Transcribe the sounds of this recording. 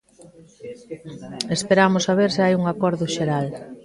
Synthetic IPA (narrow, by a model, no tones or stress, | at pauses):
espeɾamʊsaβ̞eɾsɪajuŋakɔɾðʊʃeɾal